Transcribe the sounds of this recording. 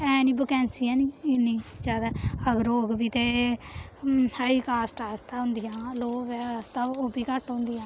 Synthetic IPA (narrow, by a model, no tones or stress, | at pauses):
ɛ̃ːniːbʊkɛ̃ːnsiːɛ̃ːniːɪniːd͡ʒaːd̪aːəɡəɾoːɡbiːt̪eː | haːiːkaːsʈaːst̪aːɦʊ̃nd̪ijãːloːʋst̪aːoːbiːkəʈɦõːnd̪ijãː